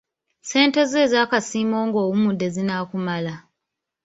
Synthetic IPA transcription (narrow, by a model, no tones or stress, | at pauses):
se̞ːnte̞ze̞ːzaːkasiːmo̞ːŋɡo̞ːwumude̞zinaːkumala